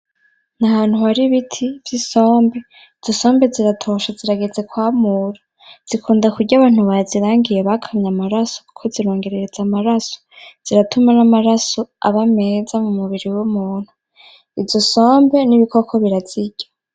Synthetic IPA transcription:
nahaːn̥huhaɾiβitʰivjiso̞ːmbe̞ | z̥oso̞ːmbe̞ziɾatʰo̞ʃaziɾaɡe̞ze̞kwaːmuɾo | z̥ikuːndakuɾɟaβaːn̥huβaziɾaːŋɡijeβakʰamɲamaɾasoukʰoziɾo̞ːŋɡe̞ɾe̞ɾezamaɾaso̥z̥iɾatʰumanamaɾasoa̰βamezamumuβiɾiwomuːn̥hu | ivzo̞so̞ːmbe̞niβikokʰoβiɾaziɟ̥ḁ

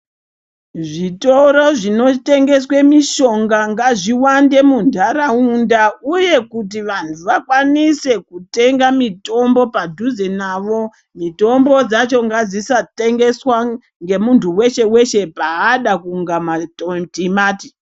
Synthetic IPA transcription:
ʐito̞ɾo̞ʐino̞te̞ŋɡe̞swemiʃo̞ŋɡaŋɡaʐiwande̞mundʱaɾaundauje̞kut̬iʋantʰuʋakwanise̞kute̞ŋɡamito̞mbo̞padʱuzenaːʋo̞ | mito̞mbo̞d͡zat͡ʃo̞ŋɡad͡zisate̞ŋɡe̞swa | ŋɡe̞muntʰuwe̞ʃe̞we̞ʃe̞paːɗakuːŋɡamaotimaːti

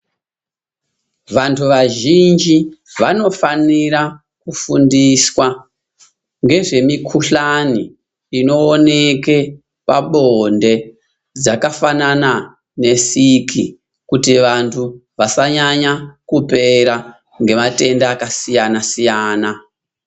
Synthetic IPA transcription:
ʋantʰuʋaʒind͡ʒiʋano̞faniɾa | kufundiswa | ŋɡe̞ʐe̞mikʰuɬaniː | no̞ːne̞ke̞ | paɓonde̞ | d͡zakafanana | ne̞sikʰḭ | kutiʋantʰuʋasaɲaɲakupe̞ɾa | ŋɡe̞mate̞ndaːkasijanasijaːna

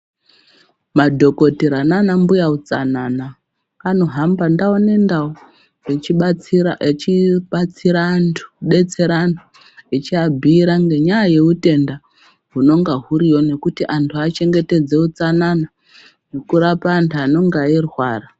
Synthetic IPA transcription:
madʱo̞ko̞tiɾananambujaut͡sa̰nana | kano̞ɦambandaone̞ndau | t͡ʃiɓat͡siɾantʰu̥ɗe̞t͡se̞ɾantʰu | it͡ʃiabʱiːɾaŋɡe̞ɲajaje̞ute̞nda | ɦuno̞ŋɡaɦuɾiwo̞ne̞kutiʔantʰuat͡ʃe̞ŋɡe̞te̞d͡ze̞ut͡sanana | nekuɾapaːntʰuano̞ŋɡairwaːra

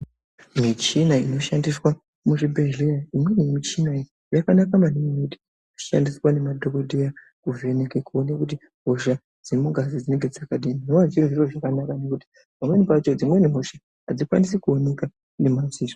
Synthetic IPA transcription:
mit͡ʃinaino̞ʃandiswa | muʐibʱelejaimwe̞nimit͡ʃinai | jakanakamanimiuti̥ | u̥ʃa̰ndiswane̞madʱokodʱeja | kuve̞nekekuonekut̬i | ɦo̞ʃa | d͡zemuŋɡazid͡zine̞ŋɡe̞d͡zakadininoat͡ʃiriʐiroʐakanakane̞kuti̥ | bʱamwe̞nipat͡ʃo̞d͡zimwe̞niɦo̞ʃa | ɦad͡zikwa̰nisekuone̞ka | ne̞maziːʐo

